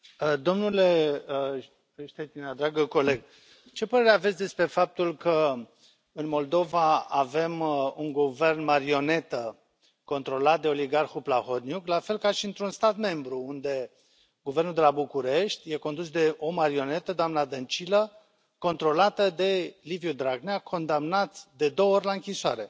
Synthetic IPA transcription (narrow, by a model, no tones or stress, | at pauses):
əd̪o̞mnule̞ | ʃt̪einad̪ɾaɡəko̞le̞ɡ | t͡ʃe̞pəɾe̞ɾeavesʲd̪e̞spɾe̞fap̚t̪ulkə | ɨnmo̞ld̪o̞vaave̞muŋɡuve̞rnmaɾio̞ne̞t̪ə | ko̞nt̪ɾo̞lat̪̚d̪e̞o̞liɡarxuplaxo̞t̪njuklafe̞lkaʃiɨnt̪ɾunst̪at̪me̞mbɾuund̪e̞ | ɡuvernuld̪e̞labukuɾe̞ʃt̪ʲje̞ko̞nd̪usd̪e̞ʔo̞maɾio̞ne̞t̪əd̪oamnad̪ənt͡ʃilə | ko̞nt̪ɾo̞lat̪əd̪e̞livjud̪ɾaɡneakʰo̞nd̪amnat̪d̪e̞d̪o̞wəorʲlaɨŋkʲisoa̰ɾe̞